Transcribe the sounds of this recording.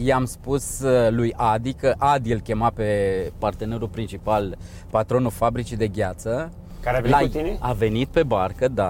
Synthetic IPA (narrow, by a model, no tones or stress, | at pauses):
jeamspuslujad̪ikəʔad̪ilkʲe̞mape̞part̪e̞ne̞ɾulpɾint͡ʃipal | pat̪ɾo̞nulfabɾit͡ʃid̪e̞ɡʲat̪sə | kaɾeaveat̪ineave̞nit̪̚pe̞barkəd̪a